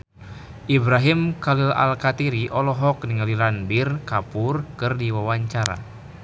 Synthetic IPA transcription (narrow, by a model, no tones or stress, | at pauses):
ʔibɾaɦimkalila̰lkat̪iɾiʔɔlɔɦɔk̚niŋalilanbirkapurkɨrdiwawaɲt͡ʃaɾa̰